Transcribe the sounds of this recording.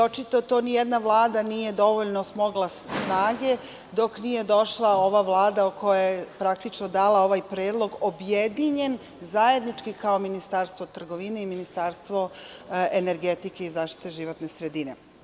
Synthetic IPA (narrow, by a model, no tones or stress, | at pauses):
ot͡ʃit̪o̞t̪o̞nijed̪naʋlˠaːd̪anije̞d̪o̞ʋoʎnosmo̞ɡlˠasnaːɡe̞ | d̪o̞knije̞d̪o̞ʃlˠao̞ʋaʋlˠaːd̪aokʰo̞jajepɾakt̪it͡ʃnod̪aːlˠao̞ʋajpɾe̞ːd̪lˠo̞ɡobjed̪iɲe̞n | zaje̞d̪nit͡ʃkikao̞minist̪aːɾst̪ʋo̞t̪r̩ɡo̞ʋine̞iminist̪aːɾst̪ʋo̞ene̞ɾɡet̪ike̞izaːʃt̪i̥t̪eʒiʋo̞t̪ne̞sɾe̞d̪ine̞